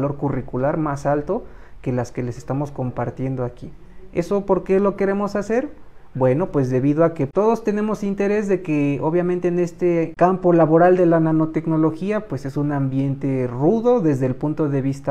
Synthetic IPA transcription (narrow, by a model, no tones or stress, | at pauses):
lo̞ɾkurikulaɾmasalt̪o̞ | ke̞laske̞le̞sest̪amo̞sko̞mpaɾt̪je̞nd̪oaki | e̞̰so̞po̞ɾke̞lo̞ke̞ɾe̞mo̞sase̞ɾbwe̞no̞pwe̞zðe̞βiðoake̞t̪o̞ðo̞st̪e̞ne̞mo̞sint̪e̞ɾe̞zðe̞keoβjament̪e̞ːne̞st̪ekampo̞laβo̞ɾald̪e̞lanano̞t̪e̞kno̞lo̞xiapwe̞se̞sunambje̞nt̪e̞ruðo̞ðe̞zðeːlpunt̪o̞ðe̞βist̪a